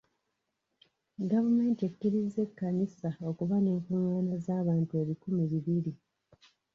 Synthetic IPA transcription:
ɡavume̞ːntekːiɾize̞kːanisao̞kuβane̞ːŋkuŋwaːnazaːβaːntue̞βikumiβiβiɾi

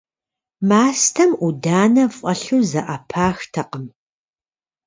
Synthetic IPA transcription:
maːstʰɐmʔudaːnɐfʼɐɬuzɐʔɐpʰaːxtʰɐqəm

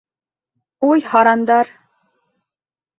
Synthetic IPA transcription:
ujhɑɾɑnd̪ɑɾ

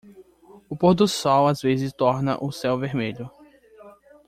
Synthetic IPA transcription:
ʊpoɾd̪ʊsɔwazvezɪst̪ɔɾnɐ̰ʔʊsɛwveɾmeʎʊ

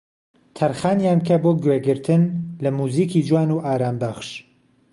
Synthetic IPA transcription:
t̪ʰɐɾχaːnjaːnkʰɐboːɡweːɡɨɾt̪ʰɨnlɐmuːziːkiːd͡ʒwaːnuʔaːɾaːmbɐχʃ

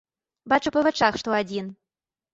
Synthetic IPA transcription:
bat͡ʂupɐvɛt͡ʂaxʂt̪ɔad͡zʲin

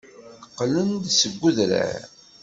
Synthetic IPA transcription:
qːlənd̪səɡʷːuðɾæ̰ɾ

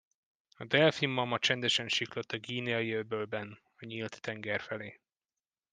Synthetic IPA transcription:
ɒd̪ɛlfimːɒmːɒt͡ʃɛnd̪ɛʃɛnʃiklot̪ːɒɡiːnijɒjøbølbɛn | ɒɲiːlt̪ːɛŋɡɛrfɛleː

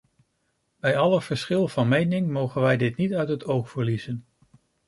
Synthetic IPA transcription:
bɛjɑləv̥əɹsχɪlˠvɑnmejnɪŋmowχənʋɛjdɪtnitœɥtɦətowχfəɹlizən

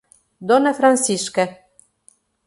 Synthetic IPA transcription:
d̪onefɾɑnsiʃkæ̆

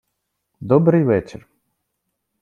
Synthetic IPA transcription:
d̪ɔbɾɨjʋɛt͡ʃɛɾ

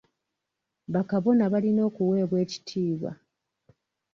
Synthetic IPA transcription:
βakaβo̞naβalino̞ːkuwe̞ːβwe̞ːci̥tʰiːβwa̰

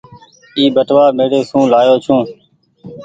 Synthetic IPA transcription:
iːbəʈʋaːmeːɽeːsũːlaːjoːt͡ʃʰũː

